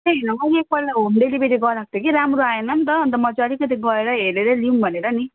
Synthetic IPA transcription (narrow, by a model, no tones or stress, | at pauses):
eɦinʌŋʌek̚pʌlaomɖelibeɾiɡʌlak̚t̪ekiɾamɾuaenʌmt̪ʌnt̪ʌmʌd͡zaɽikʌt̪iɡʌeɾʌɦeleɾʌliumbʱʌneɾʌni